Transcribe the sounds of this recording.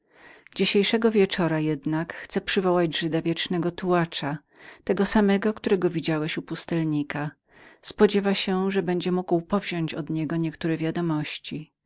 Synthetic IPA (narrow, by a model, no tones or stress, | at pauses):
d͡ʑiɕejʂɛɡɔvʲjɛt͡ʂɔɾajɛd̪nakxt̪sɛpʂɘvɔwad͡ʑʐɘd̪avʲjɛt͡ʂnɛɡɔt̪uwat͡ʂa | t̪ɛɡɔsamɛɡɔkt̪uɾɛɡɔvʲid͡ʑawɛɕupust̪ɛlɲika | spɔd͡ʑɛvaɕɛʐɛbɛɲd͡ʑɛmuɡwpɔvʑɔ̃ɲt͡ɕɔd̪ɲɛɡɔɲɛkt̪uɾɛvʲjad̪ɔmɔɕt͡ɕi